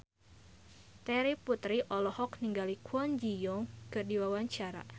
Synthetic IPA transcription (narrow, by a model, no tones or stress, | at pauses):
t̪ɛɾiput̪ɾiʔɔlɔhɔkniŋɡalikʰuɔnd͡ʒijɔŋkɨrdiwawaɲt͡ʃaɾa̰